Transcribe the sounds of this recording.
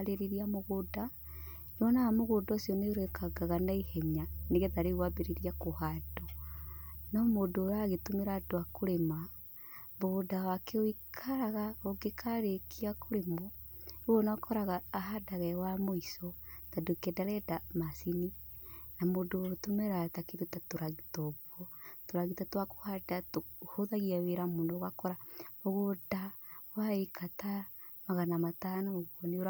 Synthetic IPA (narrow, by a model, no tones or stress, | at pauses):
ɾeɾiɾiamoɣoda | newɔnaamoɣodɔsjɔneɾoɛkʰaɡaɣanaihɛɲaneɣɛtaɾeɣwabeɾeɾiakohadɔ | nɔmodoːɾaɣetomeɾadoakoɾema | βodawakʰɛoikʰaɾaɣaoɡekʰaɾekʰiakʰoɾemɔoɔnakʰɔɾaɣaːɦadaɣɛwamoisɔtadokɛdaɾɛdamasininamodotumɛɾatakeɾdotatoɾaɣitɔβwɔtoɾaɣitatwako̥hadatohoðaɣiaweɾamonɔɣakɔɾaoɣodawaikʰata | maɣanamatanɔoɣwɔneoɾa